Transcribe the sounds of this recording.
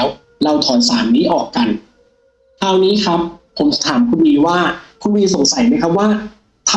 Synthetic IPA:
w | ɾa˧wt̪ʰɔː˩˦nsaː˩˦mniː˦˥ʔɔː˨˩kːa˧n | kʰaː˧wniː˦˥kʰɾa˦˥p̚pʰo˨˩˦m˩t̪ʰaː˩˦mkʰu˧wiː˧waː˥˩kʰu˧nwiː˧so˨˩˦ŋsa˨˩˦jma˦˥jkʰa˦˥p̚waː˥˩ | t̪ʰ

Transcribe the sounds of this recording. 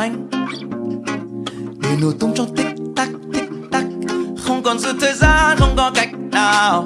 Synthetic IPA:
jŋ̟ | ni˨˩no˨˩jt̪ʊ˨˧wŋ͡mt͡ɕwŋ͡mt̪ï˦˥k̚t̪a˦˥k̚t̪ï˦˥k̚t̪a˦˥k̚xə˧wŋ͡mkɔ˨˩nzɨ̰˧˥t̪ʰəː˨˩jzaː˧˩xə˧wŋ͡mkɔ˧˦ka˨˩jk̚naː˨˩w

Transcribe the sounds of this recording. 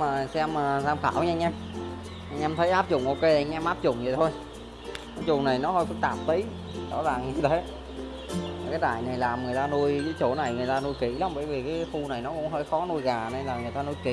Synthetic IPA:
maː˨˩˨sɛ˧məː˨˩zaː˧mxa̰ː˧˩wɲ˧ŋ̟ʔɛ˧m | ʔa˧jŋ̟ʔɛ˧mt̪ʰə˨˦jʔaː˦˥p̚zʊ̰˧˩ŋ͡mʔo˧ke˧˨ʔŋ̟ʔɛ˧mʔaː˦˥p̚zʊ̰˧˩ŋ͡mzḭ˨˩t̪ʰo˧j | kɔ˨˦jzʊ˨˩ŋ͡mna˨˩jnɔ˨˦ɦə˧jkʊ˨˧˦t̪a̰ː˧˩mt̪i˨˦j | ɗɔ̰˧˥zaː˨˩ŋ˨˧t̪ʰe˨˦ | a˨˩kaː˨˦jɗ̪aː˧˩˨jna˨˩jlaː˨˩mŋɨ˨˩əjt̪aː˧nu˧əjzi˨˦jt͡ɕo˧˩na˨˩jŋɨ˨˩əjt̪aː˧nu˧jkḭ˧˩la˨˦ŋ͡mɓəː˧˩jvi˨˩kaː˨˦˨fu˧na˨˩jnɔ˨˦kʊ̰˧˥ŋ͡mɦəː˧˩jxɔ˨˦nu˧jɣaː˨˩ne˧nlaː˨˩ŋɨ˨˩əjt̪aː˧nu˧jkḭ˧

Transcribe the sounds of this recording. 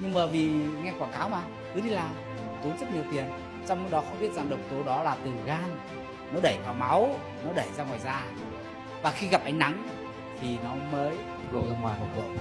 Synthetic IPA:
ɲɨ˧ŋmaː˨˩vi˨˩ŋa˧jkwaː˧˩ŋkaː˨˦wmaː˨˧˩ | kɨ˨˦ɗi˧laː˨˩˨ | t̪o˨˦zə˦˥t̚ɲi˨˩əwt̪i˨˩ən | t͡ɕɔ˧wŋ͡mno˨˧˦ɗɔ˨˦˥xə˧wŋ͡mɓi˦˥ət̚za˨˩ŋɗə˨˩wk͡p̚t̪o˨˦ɗɔ˨˦laː˨˩t̪ɨ˨˩ɣaː˧n | nɔ˨˦ɗə˧˩jvaː˨˩wma˨˦w | nɔ˨˦ɗə˧˩jzaː˧ŋwaː˨˩jzaː˧ | vaː˨˩xi˧ɣa˨˩p̚ʔa˨˦jŋ̟na˨˦ŋ | t̪ʰi˨˩nɔ˨˦məː˨˦j | zo˧˩zə˧ŋwaː˨˩no˨˧˩kə̰˧˨

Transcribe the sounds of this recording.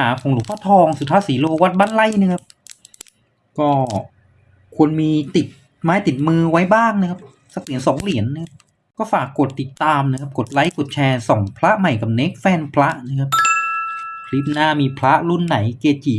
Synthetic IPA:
aː˩˦kʰɔː˨˩˦ŋlu˨˩˦k̚pʰaː˦˥˩t̪ʰɔː˧ŋsu˨˩t̪ʰaː˧˥˩siː˨˩˦loː˧wa˦˥t̪̚baː˥˩nla˥˩jna˧˥˩kʰa˦˥p̚ | kɔː˥˩ | kʰu˧ənmiː˧t̪i˨˩t̪̚ | maː˦˥jt̪i˨˩t̪̚mɯː˧wa˦˥jbaː˥˩ŋna˧˥kʰa˥p̚ | sa˨˧˩k̚li˩˦nsɔː˨˩˦ŋli˩˦ənːa˧˥˧kʰa˦˥p̚ | kɔː˥˩faː˨˩kːo˨˩t̪ːi˨˩t̪ːaː˧mnː˧˥˧kʰa˦˥p̚ko˨˩t̪̚la˧˦˥jkt̪̚t͡ɕʰɛː˧sɔ˨˩˦ŋpʰla˦˥ʔma˨˩jka˨˩p̚ne˦˥k̚fɛː˧˩npʰla˦˥ʔna˧˥˩kʰa˧˦˥p̚ | kʰli˦˥p̚naː˥˩miː˧pʰla˦˥ʔlu˥˩nːa˩˦jkeː˧˩t̪̚t͡ɕiː˨˩

